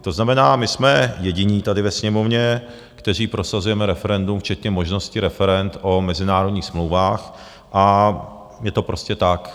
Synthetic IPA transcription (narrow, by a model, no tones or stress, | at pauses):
t̪o̞znamɛnaːmɪsmɛjɛɟɪɲiːt̪adɪvɛsɲɛmo̞vɲɛ | kt̪ɛr̝iːpɾʔo̞sazujɛmɛɾɛfɛɾɛndumft͡ʃɛt̪ɲɛmo̞ʒno̞scɪɾɛfɛɾɛnt̪ʔo̞mɛzɪnaːɾodɲiːxsmlowvaːx | ʔa | jɛt̪o̞pɾo̞scɛt̪ak